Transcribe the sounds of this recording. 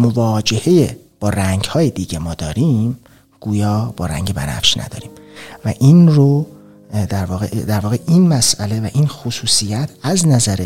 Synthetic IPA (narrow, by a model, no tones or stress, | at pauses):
movɒːd͡ʒe̞he̞je | b̥ɒːɾæŋɟhɒːjed̪iːɟemɒːd̪ɒːɾiːm | ɡ̥uːjɒːb̥ɒːɾæ̰ŋɟebænæ̰fʃnʔæ̰d̪ɒ̰ːɾiːmvæʔinɾo | d̪æɾvɒːɣḛʔd̪æɾvɒːɣeʔiːnmæsæle̞væʔinxosuːsijæt̪ʰæznæzæɾe